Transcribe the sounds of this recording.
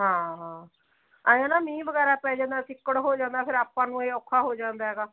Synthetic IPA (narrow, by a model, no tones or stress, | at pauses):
ɦãːɦãː | aːjãːnãːmĩːbəɡɛːɾaːpɛːd͡ʒãːnd̪aːt̪ɪkːəɽɦoːd͡ʒãːnd̪aːpʰɪɾaːpãːnũːeːɔːkʰːaːɦoːd͡ʒãːnd̪aːɦɛːɡaː